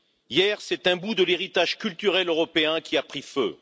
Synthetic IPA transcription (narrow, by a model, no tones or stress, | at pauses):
jɛːʁsɛt̪ɛ̃bud̪əleʁit̪aʒkʲylt̪yʁɛløʁɔpeɛ̃kʲiapχifø̰